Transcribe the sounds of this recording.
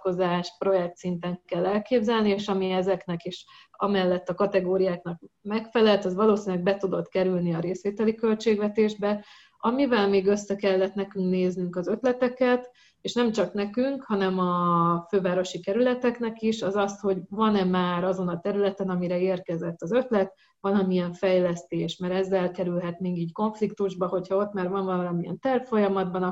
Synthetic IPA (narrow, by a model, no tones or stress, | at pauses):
ko̞zaːʃpro̞jɛk̚t̪sint̪ɛŋkɛlːɛlkeːbzɛlnieːʃɒmiɛzɛknɛkiʃɒ̰mɛlːɛt̪ːɒkɒt̪ɛɡoːɾijaːknɒkmɛkfɛlɛlt̪ɛzʋɒloːsinlɛɡ̚bɛt̪ud̪o̞t̪kɛɾylniɒɾeːsʋeːt̪ɛlikø̞lt͡ʃeːɡʋɛt̪eːʒbɛ | ɒmivɛlmeːɡø̞sːɛkɛlːɛt̪nɛkyŋkneːznyŋkɒzø̞t̪lɛt̪ɛkɛt̪ | eːʃnɛmt͡ʃɒknɛkyŋkhɒn̪ɛmɒføːvaːɾo̞ʃikɛɾylɛt̪ɛkn̪ɛkiʃɒzɒst̪ho̞ɟvɒnɛmaːɾɒzo̞nɒt̪ɛɾylɛt̪ɛnɒmiɾɛeːrkɛzɛt̪ːɒzø̞t̪lɛt̪ | ʋɒlɒmiɛɱfɛjlɛst̪eːʃmɛɾɛzːɛlkɛɾylɦɛt̪niːŋɡiːcko̞ɱflik̚t̪uʒbɒho̞chɒo̞t̪maːɾvɒnvɒlɒlɒmiɛ̰nt̪ɛrffo̞jɒmɒd̪̚bɒn